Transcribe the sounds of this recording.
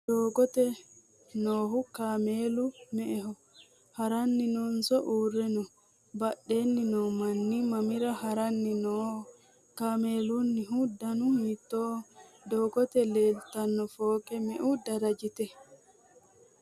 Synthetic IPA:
dɔːɡɔt̪ɛ | nɔːɦukaːmelumɛʔɛɦɔ | haɾanːinɔnsɔʔuːrːɛnɔ | baɗːenːinɔmanːimamiɾahaɾanːinɔhɔ | kaːmeːlunːiɦudanuhit̪ːɔ | dɔːɡɔt̪ɛlɛlt̪anːɔfɔːkʼɛmɛʔudaɾad͡ʒit̪ɛ

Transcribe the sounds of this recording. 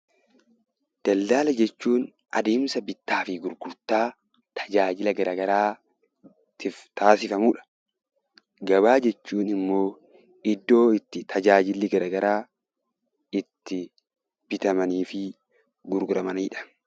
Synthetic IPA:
d̪̥ɐlːaːlɐd͡ʒɛt͡ʃːuːn | ʔɐd̪eːmsɐbɪt̪ːaːfɪɡʊɾɡʊɾt̪aː | t̪ʰɐ̥d͡ʒaːd͡ʒɪlɐɡɐɾɐɡɐɾaː | t̪ɪft̪aːsɪfɐmuᶑɐ̥ | ɡɐbaːd͡ʒɛt͡ʃːuːnɪmːo̞ː | ɪd̪ːo̞ːɪt̪ːɪt̪ʰɐd͡ʒaːd͡ʒɪlːɪɡɐɾɐɡɐɾaː | ɪt̪ːɪ | b̥ɪt̪ɐmɐniːfɪ | ɡʊɾɡʊɾɐmɐniːᶑɐ̥

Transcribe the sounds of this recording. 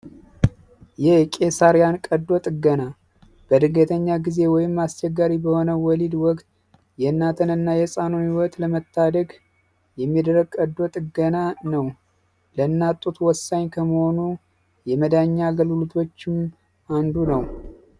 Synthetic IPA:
jɛhkʼe̞saɾjankʼəd̪ːo̞t̪ʼɨɡəna | b̥əd̪ɨɡət̪ʰəɲːaɡize̞wɔjɪmːast͡ʃɛɡːaɾibəho̞nəwɔlid̪wɔkʼt̪ | jɛɨnːat̪ʰənɨnːajɛsʼanunhiwɔt̪ləmət̪ʰːad̪əɡ | jɛmːid̪əɾəɡ̚kʼəd̪o̞t̪ʼɨɡənanəw | lənːat̪ʼːut̪ʰwɔsːaɲkʰəməho̞nu | jɛməd̪aɲːaɡəlulut̪ʰo̞t͡ʃːɪm | and̪unəw

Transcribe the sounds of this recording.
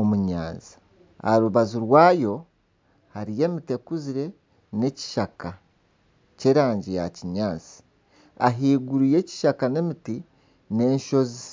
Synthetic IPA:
omuɲa̰ːnzi̥ | a̰ɾuβaziɾwaːjo̞ | haɾije̞ːmite̞kuziɾe̞ | ne̞ci̥ʃaka | ce̞ːɾaːɲɟijaciɲaːzi̥ | aɦiːɡuɾuje̞ci̥ʃakane̞miti | ne̞ːɲʃo̞zi

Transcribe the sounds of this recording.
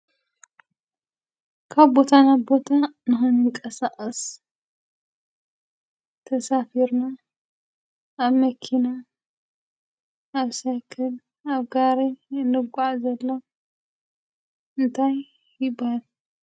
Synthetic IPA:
kʰaβbo̞t̪ʰanabo̞t̪ʰanɨxɨnjɨŋkʼɐsaʔʼɐs | t̪ʰɐsafiɾna | aβmɐkʰina | ʔaβsakʰɨl | aβɡaɾeɨnːɨɡʷaʕzɐlːo | ɨnt̪ʰajː | ɪbahal

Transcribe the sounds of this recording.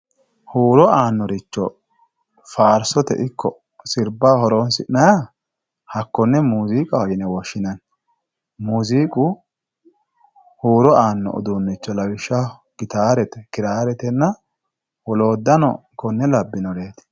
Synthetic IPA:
huːɾɔaːnːɔɾɪt͡ʃːɔ̰ | faːɾsɔt̪ɛ̰ʔɪkːɔ | sɪɾbahɔɾonsɪnɐja | hɐkːɔnːɛmuːziːkʼɐhɔjɪnɛwɔʃːɪnɐn | muːziːkʼu | huːɾɔaːnːɔ̰ʔɔ̰d̪unːɪt͡ʃːɔlɐwɪʃːɐ | ɡ̥ɪt̪aːɾɛt̪ɛkɪɾaːɾɛt̪ɛnːɐ | wɔlo̞ːd̪ːɐnɔ̰kːɔnːɛlɐbːɪnɔɾeːt̪

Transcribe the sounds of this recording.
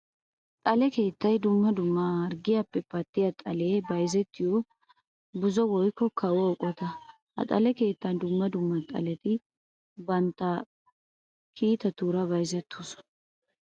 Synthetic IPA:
t̪ʼɐlɛke̞ːt̪ːɐjd̪ʊmːɐd̪ʊmːɐːɾɡɪjɐpːɛpɐt̪ːɪjɐt̪ʼɐleːbɐjzɛt̪ːɪjɔ | bʊzɔwɔjkːɔkʰɐwɔɔkʼːɔt̪ɐ | hɐ̰t̪ʼɐlɛke̞ːt̪ːɐnd̪ʊmːɐd̪ʊmːɐt̪ʼɐ̰lɛt̪ɪ | bɐnt̪ːɐ | kʰiːt̪ɐt̪uːɾɐbɐjzɛt̪ʰːusɔ̥

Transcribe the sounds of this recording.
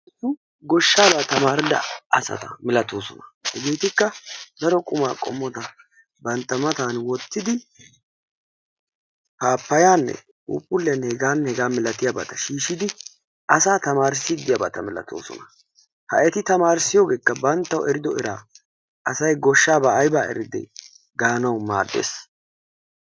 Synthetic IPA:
ɡɔʃːaːbaːt̪ɐmaːɾɪd̪ɐ̰ɐsɐ̰t̪ɐ̰mɪlɐt̪oːsɔ̰nɐ̥hɛɡeːt̪ɪkːɐd̪ɐɾɔkʼʊma̰ːkʼɔ̰mːɔt̪ɐ | bɐnt̪ːɐmɐt̪aːnwɔt̪ːɪd̪ɪ | haːpːɐjaːnːɛ̰ | ṵːpʼːʊlːɛnːhɛɡaːnːɛhɛɡaːmɪlɐt̪ɪjabɐ̰t̪ɐʃiːʃɪd̪ɪ | ʔɐsaːt̪ɐmaːɾsɪd̪ːɪjɐbɐt̪ɐmɛlɐ̰t̪o̰ːsɔ̰nɐ | hɐ̰ʔɛt̪ɪt̪ɐmaːɾsɪjoːɡe̞ːkːɐbɐnt̪ːɐwʔɛɾɪd̪ɔɛɾaː | ɐsɐjɡɔʃːaːbɐːjbaːʔɛ̰ɾɪd̪ɛ̰ | ɡaːnɐwma̰ːd̪ːḛːs

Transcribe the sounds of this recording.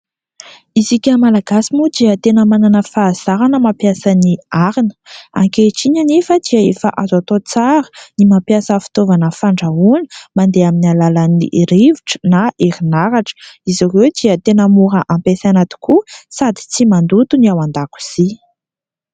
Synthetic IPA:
izikʲəmalaɡasimud̪iət̪enəmananəfaːz̥aɾanəmapjasəniaɾinə̥a̰ŋkeʈ͡ʂiɲanefəd̪iaefəʔazat̪ot͡saɾə̥nimapjasəfi̥t̪ovanəfaɳɖ͡ʐaunə̥mand̪eaminialalanḭʔɾiviʈ͡ʂə̥naʔeɾinaɾaʈ͡ʂə̥izarewd̪iət̪enəmuɾəʔampesanat̪i̥kusad̪i̥t͡simand̪ut̪uniawand̪aku̥z̥i

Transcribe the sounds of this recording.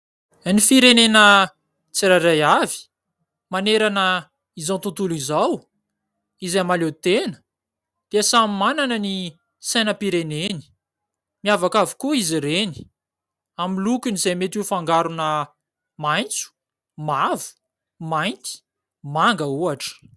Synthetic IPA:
nifiɾenenə | t͡siɾaɾajavi̥ | maneɾanə | izawnt̪ut̪ulizaw | izamalet̪enə | d̪̥easamimananəni | sajnəpiɾeneni̥ | miavakavi̥kuiziɾeni̥ | amilukʲunizemet̪ifaŋɡaɾunə | majnt͡su̥ | mavu̥ | majnt̪i̥ | maŋɡəuaʈ͡ʂə̥

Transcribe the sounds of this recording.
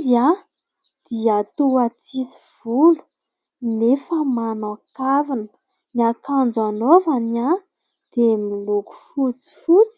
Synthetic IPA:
ia | d̪̥iat̪uat͡sisi̥v̥ulu̥ | nefəmanakavinə | niakand͡zanovana | d̪̥emiluku̥fut͡si̥fut͡s

